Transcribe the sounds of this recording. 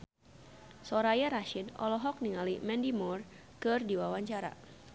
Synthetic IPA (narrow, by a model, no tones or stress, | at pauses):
sɔɾajaɾaʃinɔ̰lɔɦɔk̚niŋalimɛndimur | kɨrdiwawaɲt͡ʃaɾa̰